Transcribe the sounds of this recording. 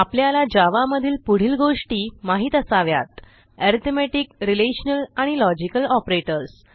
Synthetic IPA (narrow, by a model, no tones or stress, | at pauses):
apljalad͡ʑaʋaməd̪ʱiːlpuɽ̤iːlɡoʂʈiːmaɦiːt̪əsaʋja̰t̪ | ɛɾt̪ʰmeʈikɾileɕnəlaɽ̃ilɔd͡ʑikəlɔpɾeʈəɾs